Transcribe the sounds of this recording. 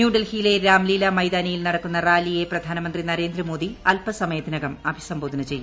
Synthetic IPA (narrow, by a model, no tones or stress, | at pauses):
juːɖɐlhiːleɾaːmliːlɐmɐjd̪aːnɐjilnɐɽɐkːunːɐraːlije̞prɐd̪ʱaːnɐmɐnd̪rinɐɾe̞ːnd̪ɾɐmo̞ːd̪iɐlpɐsɐmɐjɐt̪ːinɐɣɐmɐbʱisɐmboːd̪ɐnɐt͡ɕe̞jːu